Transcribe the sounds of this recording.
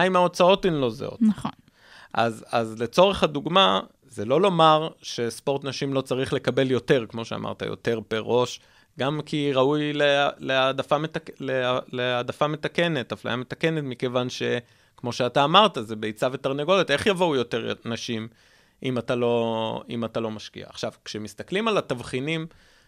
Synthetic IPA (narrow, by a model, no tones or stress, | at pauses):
imao̞t͡sao̞timlo̞zḛo̰taχon | ʔa̰zazle̞t͡so̞ʁeχhaduɡma | zelo̞lo̞maʁʃe̞spoʁt̪naʃimlo̞t͡saʁiχle̞kabe̞ljo̞te̞ʁkmo̞ʃea̰mʔa̰ʁt̪a̰jo̰t̪e̞ʁbeʁo̞ʃ | ɡamkiʁaujleleadafametalealeadafame̞t̪ake̞ne̞t̪afla̰jame̞t̪ake̞netmike̞vanʃe̞ | kmo̞ʃeataːmaʁtazebejt͡save̞t̪aʁneɡo̞letʔe̞χjavoujo̞t̪e̞ʁnaʃim | ʔimat̪alo̞imat̪alo̞maʃkḭa̰ːχʃavkʃemist̪aklimalatavχinim